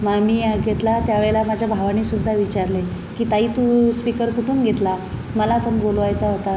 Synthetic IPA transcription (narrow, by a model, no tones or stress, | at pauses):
mamiːjaɡʱet̪lat̪jaʋeɭelamad͡ʑʱjabʱaʋañiːsud̪ʱːaʋit͡ɕaɾle | kiːt̪aɦiːt̪uspikəɾkuʈʰuːnɡʱet̪la | məlapəɳbolʋajt͡saɦot̪a